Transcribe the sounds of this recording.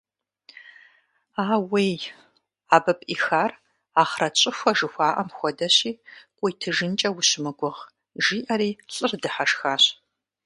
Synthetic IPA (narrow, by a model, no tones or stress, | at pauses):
aːwej | aːbɐpʼʔiːxaːr | aːχrɐt͡ɕʼɪxʷɐʒɨxʷaːʔɐmxʷɔdɐɕiːqʷʼʊːtʰɨʒɨnt͡ʃʼɐwʊɕmɨɡʷʊʁ | ʒiːʔɐɾiːɬʼɨrdɨħaʂxaːɕ